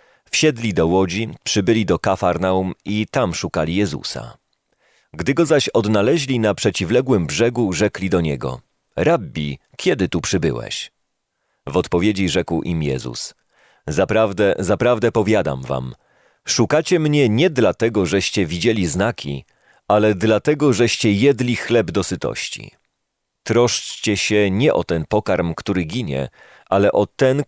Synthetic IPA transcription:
fɕɛd̪lʲid̪ɔwɔd͡ʑipʂɘbɘlʲid̪ɔkafaɾnaumit̪amʂukalʲijɛzṵsa̰ | ɡd̪ɘɡɔzaɕɔd̪nalɛʑlʲinapʂɛt͡ɕivlɛɡwɘmbʐɛɡuʐɛklʲid̪ɔɲɛɡɔ̰ | ɾabbʲi | kʲjɛd̪ɘt̪upʂɘbɘ̰wɛ̰ɕ | vɔt̪pɔvʲjed͡ʑiʐɛkwʔimjɛ̰zṵs | zapɾavd̪ɛzapɾavd̪ɛpɔvʲjad̪a̰mva̰m | ʂukat͡ɕɛmɲɛɲɛd̪lat̪ɛɡɔʐɛɕt͡ɕɛvʲid͡ʑelʲiznakʲʰḭ | alɛd̪lat̪ɛɡɔʐɛɕt͡ɕɛjɛd̪lʲixlɛbd̪ɔsɘt̪ɔ̰ɕt͡ɕḭ | t̪ɾɔʂt͡ɕt͡ɕɛɕɛɲɛʔɔt̪ɛnpɔkaɾmkt̪uɾɘɡʲiɲɛ̰ | ʔalɛʔɔt̪ɛn

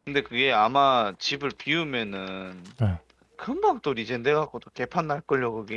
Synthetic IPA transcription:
kɯnde̞kɯɡe̞amat͡ɕibɯɭpiumjʌnɯn | kɯmbak̚t͈oɾid͡ʑendeɡak͈otoke̞pʰanːaɭk͈ɯʎːʌɡɯɡe

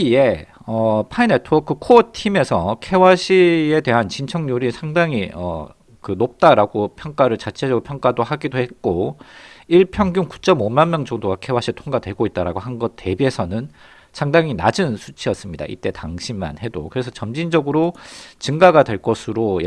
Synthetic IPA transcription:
ie̞ʌpʰainetʰʌk͈ɯkʰotʰime̞sʰʌkʰe̞waɕʰie̞de̞ɦant͡ɕint͡ɕʰʌŋɲuɾisʰaŋdaŋiʌ̰ | kɯnop̚t͈aɾaɡopʰjʌŋk͈aɾɯɭt͡ɕat͡ɕʰed͡ʑʌɡɯɾopʰjʌŋk͈adohaɡidohet̚k͈o | iɭpʰjʌŋɡjuŋku̥t͡ɕ͈ʌmomanmjʌŋd͡ʑʌŋdoɡakʰe̞waɕ͈ʰitʰoŋɡadwe̞ɡoit̚t͈aɾaɡoɦanɡʌt̚t͈ːe̞biesʰʌnɯn | sʰaŋdaŋina̰d͡ʑɯnsʰu̥t͡ɕʰiʌs͈ɯmɲida̰ʔḭt͈e̞taŋɕʰimːa̰nhe̞do̰kɯɾe̞sʰʌt͡ɕʌmd͡ʑind͡ʑʌɡɯɾot͡ɕɯŋɡaɡadwe̞ɭk͈ʌsʰɯɾoj

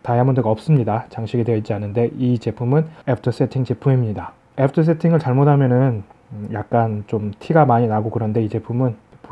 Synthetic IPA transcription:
taiamundɯɡʌp̚s͈ɯmɲidat͡ɕaŋɕʰiɡidweit͡ɕianɯnde̞ʔit͡ɕe̞pʰumɯne̞pʰɯtʰɯs͈e̞tʰiŋt͡ɕepʰuŋimiɲida | epʰtʰɯs̬͈ʰe̞tʰiŋɯɭt͡ɕaɭmotʰamjʌnɯn | jak̚k͈ant͡ɕomtʰiɡamaɲinaɡokɯɾʌnde̞it͡ɕe̞pʰumɯn | p

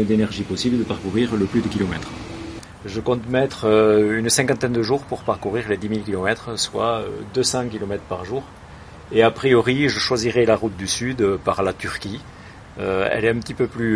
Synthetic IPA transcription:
ɛd̪enɛʁʒipɔsibləd̪əpaʁkuʁiʁləplyd̪əkʲilɔmɛt̪χ | ʒəkɔ̃t̪mɛt̪χøynsɛ̃ŋkɑ̃t̪ɛnd̪əʒuʁpuʁpaʁkuʁiʁled̪imilkʲilɔmɛt̪χəswaø̰d̪øsɑ̃kʲilɔmɛt̪χəpaʁʒuʁ | eapχijɔʁiʒəʃwaziʁɛlaʁut̪̚d̪ysyd̪øpaʁlat̪yʁkʲi | øɛ̰lɛœ̃mpət̪ipøply

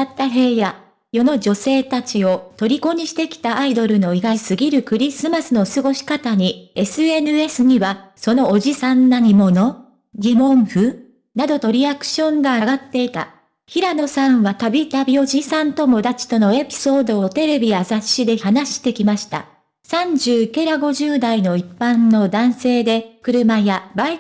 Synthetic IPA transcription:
at̪ːaɦe̞ːja | jo̞no̞d͡ʑo̞se̞ːt̪at͡ɕio̞t̪o̞ɾʲiko̞ɲ̟iɕi̥t̪e̞kʲi̥t̪aːid̪o̞ɾɯ̟no̞iɡasɨɡʲiɾɯ̟kɯ̟ɾʲisɨmasɨno̞sɨɡo̞ɕi̥kat̪aɲ̟ie̞sɨe̞nɯ̟e̞sɨɲ̟iβaso̞no̞ːʑisãnːaɲ̟imo̞no̞ | ɡʲimõ̞ɰ̃ɸɯ̟ | nad̪o̞t̪o̞ɾʲiakɯ̟̥ɕõ̞ŋɡaːɡat̪ːe̞it̪a̰ | çiɾano̞sãɰ̃βat̪abʲit̪abʲio̞ʑisãnt̪o̞mo̞d̪at͡ɕi̥t̪o̞no̞e̞pʲi̥so̞ːd̪o̞ot̪e̞ɾe̞bʲijazaɕːid̪e̞çanaɕi̥t̪e̞kʲimaɕi̥t̪a̰ | sãɲ̟d͡ʑɨːke̞ɾaɡo̞ʑɨːd̪aino̞ipːãnːo̞d̪ãɰ̃se̞ːd̪e̞kɯ̟ɾɯ̟majabai

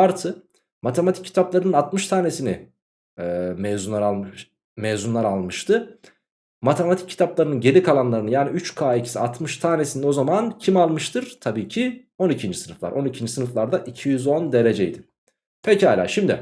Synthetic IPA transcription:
aɾt̪ʰɯ | mat̪ʰe̞mat̪ʰi̥cʲcʰːi̥t̪ʰaplˠaɾɯnɯnat̪mɯʃt̪ʰaːne̞sinɪ | ɛːmɛzunˠaɾalˠmʃ | mezunlˠaɾalˠmɯʃt̪ʰɯ | mat̪ʰe̞mat̪ʰic̚ʰːi̥t̪ʰaplˠaɾɯnɯnɟe̞lʲikʰalˠanlˠaɾɯnɯjaːniyt͡ʃkʰaːicʰi̥siat̪mɯʃt̪ʰaːnesinɛo̞zamancʰimalˠmɯʃt̪ʰɯɾ̥t̪ʰabiːcʰi | o̞nicʰind͡ʒisɯnɯflˠa̰ɾʔo̞nicʰind͡ʒisɯnɯflˠaɾd̪aʔicʰijyzo̞nd̪e̞ɾe̞d͡ʒejd̪ɪ | pʰecihaːlʲa̰ːʃimd̪ɪ̰

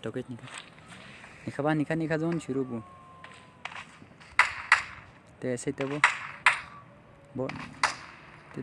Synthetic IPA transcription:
t̪oket̪nikat̪ | nikʰabanikanikazunt͡ʃiɾubu | t̪eset̪ebo | bo | t̪e

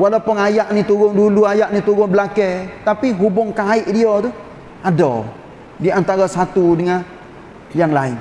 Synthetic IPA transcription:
walapəŋajaʔnit̪uɡʊŋduluajaʔnit̪uɡɔŋbəlakɛt̪apiɦubʊŋkaiʔdiɔt̪u | ado̰ | diant̪aɾasat̪udəŋa | jaŋlaɪn

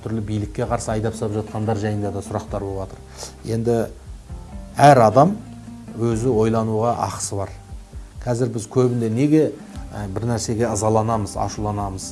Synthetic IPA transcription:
t̪ʰʏɾlɪbijlɪkʲːe̞qʰɑɾsəɑjd̪ɑpsɑpʒɑt̪̚qɑnd̪ɑɾʒɑjənd̪ɑd̪ɑsʊɾɑq̚t̪ɑɾbolˠbwɑt̪əɾ | je̞nd̪ɪ | æɾɑd̪ɑm | wɵzɪwo̞jlˠɑnuʁɑʔɑ̰qsəbɑɾqʲʰɑzɪɾbɪzkʲʰɵbɪnd̪e̞ne̞ɡʲe̞ | bɪɾnæɾse̞ɡʲe̞əzɑlˠɑnɑməzɑ̰ʃulˠɑnɑməz

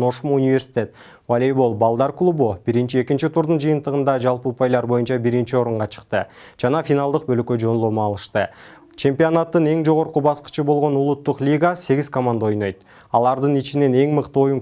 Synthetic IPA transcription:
o̞ʃumunʲivʲe̞rsʲi̥t̪ʲe̞t̪ | valʲejbolˠbɑlˠd̪ɑɾklˠubub̥iɾint͡ʃie̞kint͡ʃit̪ʰuɾd̪und͡ʒɯjɯnt̪əʁɯnd̪ɑd͡ʒɑlˠpəupajlˠɑɾbo̞junt͡ʃɑbiɾint͡ʃio̞ɾuɴʁɑt͡ʃʰə̥qt̪ɯd͡ʒɑnɑfʲinɑlˠd̪ɯq̚bølkø̞d͡ʒo̞nlˠomuɑlˠɯʃt̪ɯ | t͡ʃʰe̞mpʲionat̪ːɯne̞ŋd͡ʒo̞ʁo̞ɾqubɑsqə̥t͡ʃɯbo̞lˠʁo̞nulˠut̪ːuqlʲiɡase̞ɡiz̥komand̪ao̞jno̞jt̪̚ | ɑlˠɑɾd̪ɯnit͡ʃine̞ne̞ŋmɯqt̪ɯo̞juŋ

